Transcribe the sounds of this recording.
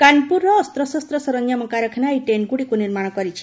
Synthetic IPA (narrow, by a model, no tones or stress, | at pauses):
kanpuɾːɔːst̪ɾɔsɔst̪ɾɔsɔɾɔnjamɔkaɾɔkʰinaiʈenɡuɽikuniɾmaɽ̃ɔkɔɾit͡ʃʰi̥